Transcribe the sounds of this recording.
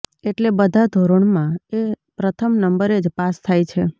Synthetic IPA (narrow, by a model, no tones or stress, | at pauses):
eʈlebəd̪ʱad̪ʱoɾoɳmãe | pɾət̪ʰəmnəmbəɾed͡ʒpast̪ʰajt͡ʃʰe